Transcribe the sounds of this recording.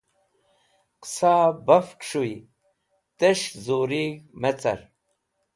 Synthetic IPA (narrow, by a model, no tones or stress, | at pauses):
qsaːbɐfkʂui | t̪eʂzoɾiɣmet͡sɐ̰ɾ